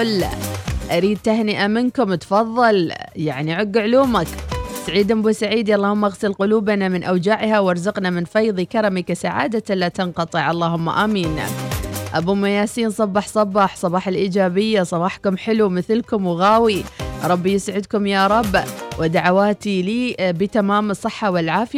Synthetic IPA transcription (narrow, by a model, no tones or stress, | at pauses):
l | ʔaɾiːd̪̚t̪ahnɪʔamɪnkʊmt̪fɑðˤːɑljaʕniʕʊɡːʕʊluːmaksaʕiːd̪ambuːsaʕiːd̪iʔɑlˤːɑːhʊmːaɣsɪlqʊluːbanamɪnʔawd͡ʒaʕhawɑɾˤzʊqnamɪnfɑjðˤikɑɾˤɑmikasaʕa̰ːd̪alat̪ɑnqɑt̪ˤɨʕʔɑlˤːɑːhʊmːa̰ʔamiːn | ʔabumajaːsiːnsˤɑbːɑħsˤɑbɑħsˤɑbɑːħalʔiːd͡ʒaːbɪjːasˤɑbɑːħkʊmħɪlumɪθlkʊmwɣaːwiɾˤɑbːjɪsʕɪd̪kʊmjaːɾˤɑbːwʔɪd̪aʕawaːt̪iliːbɪt̪amaːmɨsˤːɨħːawɪlʕaːfɪja